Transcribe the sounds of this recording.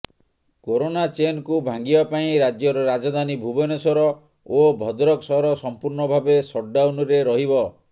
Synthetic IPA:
koɾonat͡ʃenkubʱaŋɡibapaĩɾad͡ʒjɔɾɔɾad͡ʒɔd̪ʱanibʱubɔnɔsɔɾɔ | obʱɔd̪ɾɔksɔɾɔsɔmpuɾnɔbʱabesɔʈ̚ɖawnɔɾeɾɔɦibɔ

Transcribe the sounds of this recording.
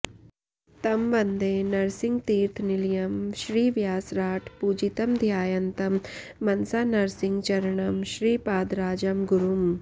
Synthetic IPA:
t̪ɐmʋɐnd̪eːnɐɾsiŋɡt̪iːɾt̪ʰniljɐmʃɾiːʋjaːsɾaːʈʰpuːd͡ʒit̪ɐmd̪ʱjaːjɐnt̪ɐmːɐnsaːnɐɾsiŋɡt͡ʃɐɾɐɳɐmʃɾiːpaːd̪ɾaːd͡ʒɐmɡuɾum

